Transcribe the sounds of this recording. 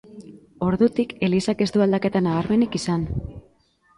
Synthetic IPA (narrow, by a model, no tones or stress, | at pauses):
o̞ɾðut̪ike̞lisake̞st̪uald̪ake̞t̪anaβaɾme̞nikisan